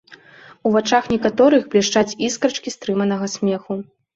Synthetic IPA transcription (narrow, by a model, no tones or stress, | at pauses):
uvat͡ʂaxnʲɛkat̪ɔɾɨxblʲɛʂt͡ʂat͡sʲiskɾɐt͡ʂkʲist̪ɾɨmɐnɐɣɐsʲmʲɛxu